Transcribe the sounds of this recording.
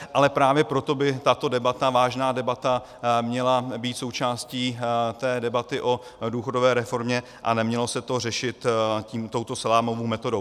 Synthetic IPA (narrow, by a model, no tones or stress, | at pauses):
ʔalɛpɾaːvjɛpɾot̪o̞bɪt̪at̪o̞dɛbat̪avaːʒnaːdɛbat̪a | mɲɛlabiːt̪so̞wt͡ʃaːsciːt̪ɛːdɛbat̪ɪʔo̞ | duːxo̞do̞vɛːɾɛfo̞ɾmɲɛ | ʔa̰nɛmɲɛlo̞sɛt̪o̞r̝ɛʃɪt̪ciːmt̪o̞wt̪o̞sɛlaːmovowmɛt̪o̞do̞w